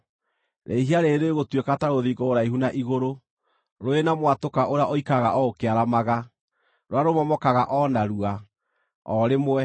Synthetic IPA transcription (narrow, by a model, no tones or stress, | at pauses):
ɾʔeɦiaɾeɾeeɣotwɛkataɾoðiɣɡɔːɾaiɦunaʔiɣoɾo | ɾoenamwatokaʔoɾeaʔoikaɣaʔɔokeaɾamaɣa | ɾoaɾomɔmɔkaɣaʔɔnaɾua | ɔɾemɛ